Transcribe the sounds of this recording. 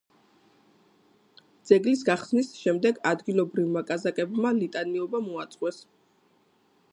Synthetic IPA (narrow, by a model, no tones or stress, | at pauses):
d̪z̥ɛɡlisɡaχsnisʃɛmd̪ɛɡad̪ɡilˠɔbɾivmakʼazakʼɛbmalit̪ʼaniɔbamɔat̪sʼqʼwɛs